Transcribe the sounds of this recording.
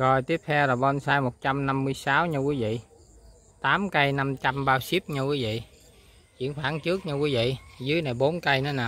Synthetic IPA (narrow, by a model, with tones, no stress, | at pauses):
kɔ˨˩jt̪i˦˥əp̚t̪ʰɛ˧wlaː˨˩ɓɔ˧nsaː˧jmo˨˩t̚t͡ɕa˧mna˧mːɨ˧əjsaː˨˦wɲɨ˧kwi˨˦vḭ˧˨ | t̪aː˨˦mkə˧jna˧mt͡ɕa˧mɓaː˧wsi˦˥əp̚ɲɨ˧kwi˨˦vḭ˧˨ | t͡ɕwḭ˧˨ənxwaː˧˩˦ŋt͡ɕɨ˦˥ək̚ɲɨ˧kwi˨˦vḭ˧˨zɨ˨˦jna˨˩jɓo˨˦nkə˧jnɔ˨˦naː˨˩